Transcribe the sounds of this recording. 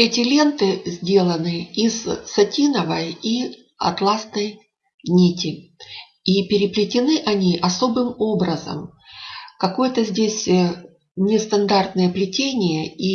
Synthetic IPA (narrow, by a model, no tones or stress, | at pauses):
ɛtʲɪlʲe̞nt̪ɨzʲdʲe̞lˠənɨizːɐtʲinəvəji | ɐ̰t̪lˠasnəj | nʲitʲɪ | ipʲɪɾʲɪplʲɪtʲɪnɨʔɐnʲiʔɐso̞bɨmo̞bɾəzə̰m | kɐko̞jət̪əzʲdʲesʲ | nʲɪst̪ɐnd̪art̪̚nəjəplʲɪtʲenʲɪjəi